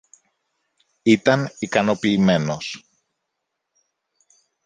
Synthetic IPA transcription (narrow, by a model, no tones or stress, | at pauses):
it̪ɐnikɐno̞piːme̞no̞s